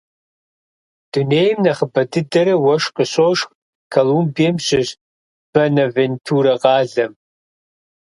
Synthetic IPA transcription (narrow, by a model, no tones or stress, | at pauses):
d̥uneːjmnɐχəbɐdɨdɐɾɐwɐʂqəɕoːʂx | kʰɐlumbiɐmɕɪʑ | b̥ɐnɐventʰuːɾɐʁɑːɮɐm